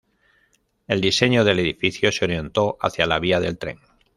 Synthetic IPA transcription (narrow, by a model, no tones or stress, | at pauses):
e̞ld̪ise̞ɲoðe̞le̞ðifiθjo̞seo̞ɾje̞nt̪o̞ʔa̰θjalaβ̞iaðe̞lt̪ɾe̞̰ŋ